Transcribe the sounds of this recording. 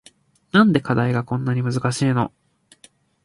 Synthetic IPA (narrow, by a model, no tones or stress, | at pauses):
nãnd̪e̞kad̪aiɡakõ̞nːaɲ̟imɯzɨkaɕiːno̞̰